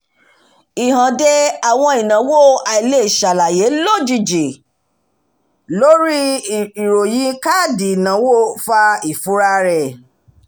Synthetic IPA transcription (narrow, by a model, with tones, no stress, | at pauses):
i˨hã˨de˧a˨w̃ɔ̃˧i˨nã˨˦wo˦˨a˨i˨le˦˨ʃa˨la˨je˨˦lo˦˨d͡ʒi˧˨d͡ʒi˨ | lo˦ɾi˦i˨ɾo˨jĩ˨˦ka˦˨di˨nã˨˦wo˦˨fa˧i˨fu˨˦ɾa˦ɾɛ˨